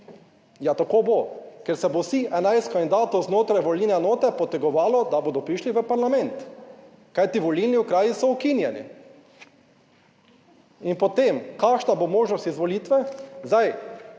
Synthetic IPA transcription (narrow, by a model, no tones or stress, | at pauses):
jat̪akoːbokɛɾsɛbosiʔɛnajst̪kɔnd̪aːt̪ɔznoːt̪ɾajʋɔlniːnɛnoːt̪ɛpɔt̪ɛɡɔʋaːlɔd̪aboːd̪ɔpɾiʃliʋəpaɾlamɛnt̪ | kajt̪iʋɔlilniʊkɾaːjisɔukinjɛnḭ | inpɔt̪emkaːkʃnabomoːʒnɔst̪izʋɔliːt̪ʋɛzd̪aj